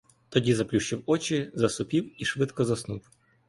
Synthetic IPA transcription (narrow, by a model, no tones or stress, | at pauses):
t̪ɔdʲizɐplʲuɕɪwɔt͡ɕɪzɐsʊpʲiwiʂʋɪt̪kɔzɐsnuw